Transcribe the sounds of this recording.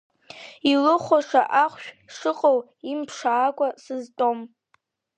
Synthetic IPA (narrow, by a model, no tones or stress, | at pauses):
ilɨχʷaʂaʔaχʷʃᶣʂɨqʼowimpʰʂaːkʷʼasɨztʼom